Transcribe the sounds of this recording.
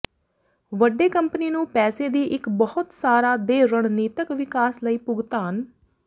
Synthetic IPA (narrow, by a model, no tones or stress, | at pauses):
ʋəɖːeːkəmpəniːnũːpɛːseːd̪iːʔɪkbəhʊt̪saːɾaːd̪eːɾəɳniːt̪əkʋɪkaːsləiːpʊɡt̪aːɦən